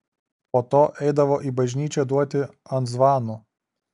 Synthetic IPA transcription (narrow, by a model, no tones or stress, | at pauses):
poːt̪oːʔɛɪd̪ɐʋoːʔiːbɐʒʲnʲiːt͡ʃʲɛd̪uɔt̪ʲɪɐnt̪zʋɑːnu